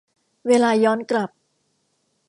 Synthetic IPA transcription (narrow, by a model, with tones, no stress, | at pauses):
weː˧laː˧jɔː˦˥nkla˨˩p̚